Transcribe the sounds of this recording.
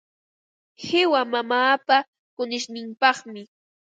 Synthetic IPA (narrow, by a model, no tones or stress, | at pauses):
hɪwamamaːpa | kʊnɪʃnɪmpɑχmɪ